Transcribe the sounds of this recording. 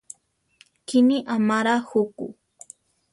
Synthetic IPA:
kɪniʔamaɾahʊkʊ̰

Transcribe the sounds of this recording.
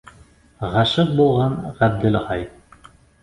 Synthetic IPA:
ʁɑʃɤq̚bulˠʁɑnʁæb̚d̪ɘlʁɑj

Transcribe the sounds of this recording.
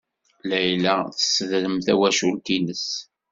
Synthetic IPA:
læjlæθə̥sðləmθæwæʃult̪inəs

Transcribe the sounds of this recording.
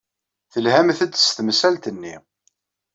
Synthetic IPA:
θəlhæmθæd̪st̪əmsælt̪ənːi

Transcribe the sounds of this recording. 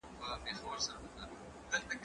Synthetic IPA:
pəpexawəɾsaɾaməka | d̪əlt̪aɡ

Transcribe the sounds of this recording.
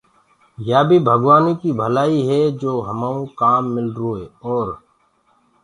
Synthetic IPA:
jaːbʱibʱəɡʋaːnikibʱəlaːiɦɛd͡ʒoːɦəmaːũkaːmːɪlɾueːɔːɾ

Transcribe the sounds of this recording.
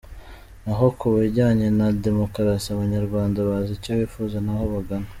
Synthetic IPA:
naɦo̞kuβaɟaːɲe̞nade̞mo̞kaɾasiaβaɲaɾɡwaːndaβazicoβiːfuːzanahoβaɡana

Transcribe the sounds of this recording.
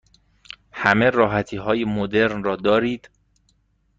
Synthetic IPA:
hæme̞ɾɒːɦæt̪ʰiːɦɒːjemod̪e̞ɾnrɒːd̪ɒːɾiːd̪̥

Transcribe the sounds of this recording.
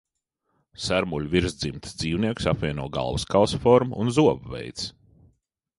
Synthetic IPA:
sæɾmulʲviɾzd̪zimt̪sd̪z̥iːwniɛksapvʲiɛnuɔɡa̰lˠvskalsfɔɾmunzuɔvvɛ̰jt̪s

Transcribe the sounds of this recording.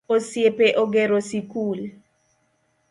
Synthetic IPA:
osjepeʔoɡɛɾosikul

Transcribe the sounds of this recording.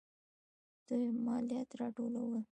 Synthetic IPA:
d̪̥ujmɑljat̪ɾɑʈolawə

